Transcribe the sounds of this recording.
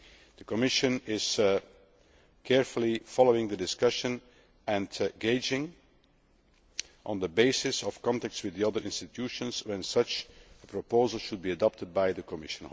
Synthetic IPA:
d̪̥əkɔmɪʃə̃nɪz̥ | kʰɛɹfəl̩ˠifɑlˠoʊɪ̃ŋd̪ədɪskʌʃə̃n | ɛ̃nɡeɪd͡ʒɪ̃ŋ | ʔə̃nðəbeɪsɪsɔfkɑ̃ntæk̚tswɪðiʌðə˞ʔɪ̃nstɨtʰjuːʃə̃nswɛ̃nsʌt͡ʃəpʰɹɔpoʊzəlˠʃʊd̚biɨdɑp̚təd̚baɪðəkʰɔmɪʃə̃n

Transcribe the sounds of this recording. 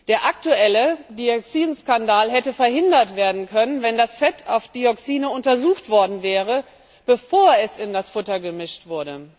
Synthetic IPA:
d̥eːɐʔaktuʔɛlədiɔksiːnskandaːlɦɛtəfɛɐhɪndɐtv̥eːɐdn̩kʰœnənvɛndasfɛtʰaʊfd̥iɔksiːnəʊntɐzuːxtv̥ɔɐdn̩vɛːʁ̞ə | b̥əfoːɐɛsɪndasfʊtɐɡəmɪʃtv̥ʊɐdə

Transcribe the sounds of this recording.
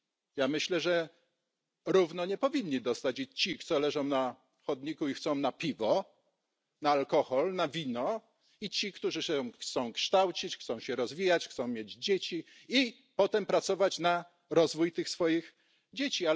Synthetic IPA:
jamɘɕlɛʐɛ | ɾuvnɔɲɛpɔvʲiɲːid̪ɔst̪at͡ɕit͡ɕikt̪sɔlɛʐɔ̃w̃na | xɔd̪ɲikuixt̪sɔ̃w̃napʲivɔ | naːlkɔxɔlnavʲinɔ | it͡ɕikt̪uʐɘɕɛxt̪sɔ̃w̃kʂt̪awt͡ɕit͡ɕxt̪sɔ̃w̃ɕɛɾɔzvʲijat͡ɕxt̪sɔ̃w̃mʲjed͡ʑd͡ʑet͡ɕi | i | pɔt̪ɛmpɾat̪sɔvat͡ɕna | ɾɔzvujt̪ɘxsfɔjiɣ | d͡ʑet͡ɕia

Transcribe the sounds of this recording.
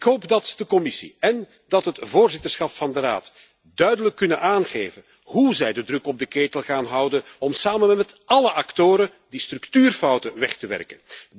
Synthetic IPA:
ɪkɦoːpdɑtd̥əkɔmɪsḭɛn | dɑtɦətvoːrzɪtərsχɑpfɑndəɾa̰ːt | dœɥdələkːɵnənʔaːnɣeːvən | ɦuzɛjdədrɵkɔb̚dəkeːtəlˠɣaːnɦʌwdənɔmsaːmənmɛtɑləʔɑktoːɾə | distrʉktyːrfɑwtəʋɛχtəʋɛ̰rkən

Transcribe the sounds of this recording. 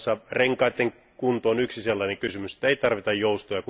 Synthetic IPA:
sːɑreŋkɑit̪ːeŋ | kunt̪oːnyksiselːɑneŋkysymyse̥t̪ːˑæeit̪ɑrʋit̪ɑjjoust̪ojɑku

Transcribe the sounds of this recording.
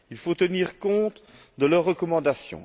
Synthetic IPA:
ilfot̪əniːʁkɔ̃t̪ | d̪əlœʁːəkɔmɑ̃d̪asjɔ̰̃

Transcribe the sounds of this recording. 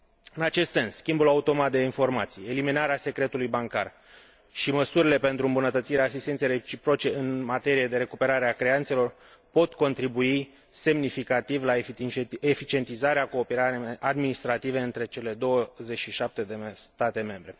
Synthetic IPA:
ɨnat͡ʃe̞st̪se̞nsːkʲimbulaut̪o̞mat̪̚d̪e̞info̞rmat̪sije̞liminaɾease̞kɾe̞t̪ulujbaŋkar | ʃiməsuɾile̞pe̞nt̪ɾuɨmbunət̪ət̪siɾeaːsist̪et̪seret͡ʃipɾo̞t͡ʃe̞ɨnmat̪e̞ɾijed̪e̞ɾe̞kupe̞ɾaɾeakɾeant̪se̞lo̞r | po̞t̪ko̞nt̪ɾibui | se̞mnifikat̪ivla | efit͡ʃie̞nt̪izaɾeako̞ːpeɾaɾeʔad̪minist̪ɾat̪ive̞ɨnt̪ɾe̞t͡ʃe̞le̞d̪o̞wəze̞t͡ʃʃiʃap̚t̪e̞d̪est̪at̪e̞me̞mbɾe̞

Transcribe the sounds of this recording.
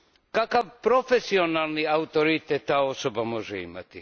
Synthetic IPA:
kakaʋpɾo̞fesionalˠniaut̪oɾit̪ɛt̪ːaːo̞sobamo̞ʒḛḭma̰t̪i

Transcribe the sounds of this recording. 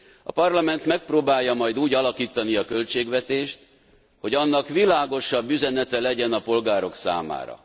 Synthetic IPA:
ɒpɒrlɒmɛnt̪mɛk̚proːbaːjːɒmɒjd̪uːɟɒlɒkiːt̪ɒniɒkø̞lt͡ʃeːɡʋɛt̪eːʃt̪ | ho̞ɟɒnːɒkʋilaːɡo̞ʃɒbːyzɛnɛt̪ɛlɛɟɛnɒpo̞lɡaːɾo̞ksa̰ːma̰ːɾɒ̰

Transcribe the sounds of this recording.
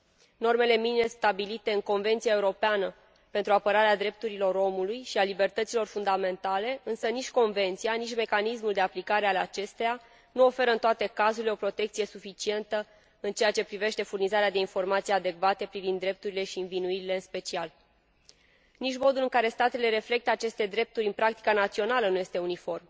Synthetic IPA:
no̞rme̞le̞minimest̪abilit̪e̞ɨŋko̞nve̞nt̪sijaeuɾo̞peanə | pe̞nt̪ɾuapəɾaɾead̪ɾe̞p̚t̪uɾilo̞ɾo̞mulujʃialibe̞rt̪ət̪silo̞rfund̪ame̞nt̪ale̞ɨnsənit͡ʃʲko̞nve̞nt̪sijanit͡ʃʲme̞kanismuld̪eaplikaɾe̞alat͡ʃe̞st̪eja | nuo̞fe̞ɾəɨnt̪oat̪e̞kazuɾileo̞pɾo̞t̪e̞kt̪sije̞sufit͡ʃie̞nt̪ə | ɨnt͡ʃe̞jat͡ʃe̞pɾive̞ʃt̪e̞furnizaɾead̪e̞info̞rmat̪sijead̪e̞kvat̪e̞pɾivind̪ːɾe̞p̚t̪uɾile̞ʃiːnvinuiɾile̞ɨnspe̞t͡ʃial | nit͡ʃmo̞d̪ulɨŋkaɾe̞st̪at̪ele̞ɾe̞fle̞k̚t̪əat͡ʃe̞st̪e̞d̪ɾe̞p̚t̪uɾʲɨnpɾak̚t̪i̥kanat̪sio̞nalənuje̞st̪e̞unifo̞rm

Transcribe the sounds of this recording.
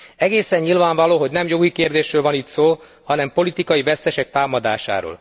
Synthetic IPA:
ɛɡeːsɛɲɲilvaːɱvɒloːɦoɟnɛmjo̞ɡikeːrd̪eːʃrøːlvɒnit̪soː | hɒnɛmpo̞lit̪ikɒjivɛst̪ɛʃɛk̚t̪aːmɒd̪a̰ːʃa̰ːɾo̰ːl

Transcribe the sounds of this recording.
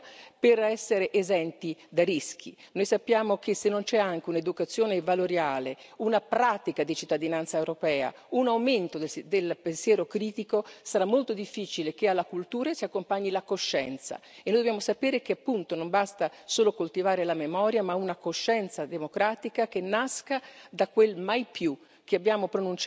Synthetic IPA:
perɛsːeɾeʔezɛnt̪id̪arisk̟ḭnojsapːjaːmokesenːont͡ʃɛaŋk̟euned̪ukat̪sːjoːnevaloɾjaːle | unapɾaːt̪ikad̪it͡ʃit̪ːad̪inant̪saewɾopɛːa̰ | unawment̪od̪d̪elpensjɛːɾokɾiːt̪ikosaɾamːolt̪od̪ifːiːt͡ʃilek̟ealːakult̪uːɾasiakːompaɲːilakoʃːɛ̰nt̪sa̰ | enoːjd̪objamosapɛːɾek̟eapːunt̪onombast̪a | soːlokolt̪ivaːɾelamemɔɾjamaunakoʃːɛnt̪sad̪emokɾaːt̪ikak̟enːaskad̪akwelmajpju | keabːjaːmopɾonunt͡ʃ

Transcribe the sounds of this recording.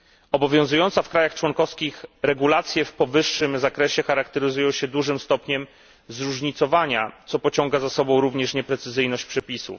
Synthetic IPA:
ɔbɔvʲjɔ̃zujɔnt̪safkɾajaxt͡ʂwɔŋkɔfskʲixɾɛɡulat̪sʲjɛfpɔvɘʂːɘmzakɾɛɕɛxaɾakt̪ɛɾɘzujɔ̃w̃ɕɛd̪wuʐɘmst̪ɔpɲɛm | zɾuʐɲit̪sɔvaɲat̪sɔpɔt͡ɕɔŋɡazasɔbɔ̃w̃ɾuvɲɛʂɲɛpɾɛt̪sɘzɘjnɔɕt͡ɕpʂɛpʲisṵf

